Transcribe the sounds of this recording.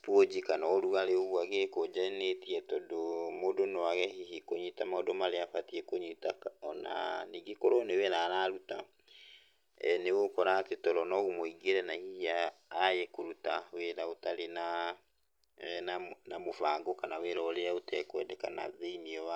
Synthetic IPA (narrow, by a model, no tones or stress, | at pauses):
pwod͡ʑikanaoɾuɣaɾeoɣwaɣekod͡ʑanetiɛtɔdomodonɔaɣɛɦiɦikoɲitamaɔdomaɾeafatiekoɲitakɔna̰niɡekoɾoneweɾaːɾaːɾuta̰ | ɛnewokɔɾaːtetɔɾɔnɔɣumoiɡeɾɛnahiiaː | jekoɾutaweɾaotaɾena | nanamofaːŋɡokanaweɾɔːɾeaotɛkowɛdɛka̰na̰ðeimiɔwa